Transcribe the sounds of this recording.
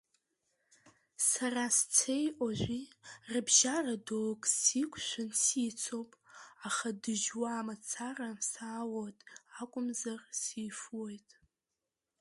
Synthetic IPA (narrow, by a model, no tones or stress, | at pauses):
sarast͡sʰe̞jʔʼoʒʷirɨbʒaradoːkʼsikʷʰʼʃʷʊnsit͡sʰowpʼaχadɨʒwaːmat͡sʰarasaːwotʼakʷʼʊmzarsiːfwojtʼ